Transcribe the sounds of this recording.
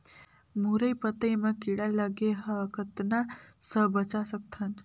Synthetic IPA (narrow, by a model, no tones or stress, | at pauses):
muɾəjpət̪əemakiɽaləɡeɦəkʰət̪nasəbət͡ʃasək̚t̪ʰan